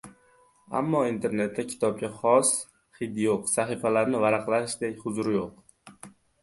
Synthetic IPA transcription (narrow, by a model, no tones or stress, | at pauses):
a̰mːɒint̪ʰe̞ɾne̞t̪ʰːakʲʰɪ̥t̪ʰɒb̚ɡʲaχɒs | χɪd̪joqsaχifalaɾnɪvaɾaqlˠaʃd̪ekʲhʊzʊɾɪjoq